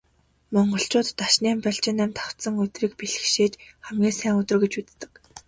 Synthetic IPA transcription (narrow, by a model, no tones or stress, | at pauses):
mɔɴɢɞ̆ɬt͡ɕʊːt̪ːaʃniːmpœɬt͡ɕɪ̆næmt̪ʰaw̥t̪sə̆ŋɵt̪riːk̚piɮɘ̆xʃeːt͡ɕχæmɡʲiːŋsæːŋɵt̪ɵ̆rɡet͡ɕut͡s̪t̪ːɘ̥̆k